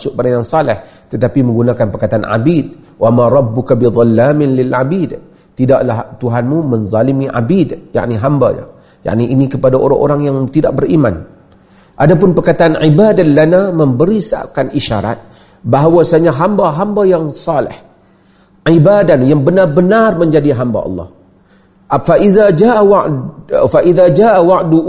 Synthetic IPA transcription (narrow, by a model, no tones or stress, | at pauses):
sʊʔ̚baɾaŋjaŋsɑlɪh | t̪ət̪apimə̃ŋɡunakanpərkat̪aanʕa̰bid̚ | wʔamaɾˤɑbːʊkabid̪ˤɑlːaːmɪnlɪlʕabid̪ | t̪idaʔlaht̪uɦanmumənzˤɑlimiʔa̰bidja̰ʔniɦamba̰ɲa̰ | ja̰ʔniʔinikəpadaʔo̰ɾa̰ŋʔo̰ɾaŋjaŋt̪idaʔ̚bəɾima̰n | ʔadap̬ʊnpərkat̪aʔanʕibadalanamə̃mbəɾisa̰ʔkanʔiʃa̰ɾa̰t̪̚ | baɦawasaɲaɦambaɦambajaŋsɑlɪ̰h | ʕibadanjaŋbənarbənarmə̃ɲd͡ʒadiɦamba̰ʔɑ̰lːɑ̰h | faʔiðad͡ʒaʔawaʔfaʔiðad͡ʒaːʔawaʔdu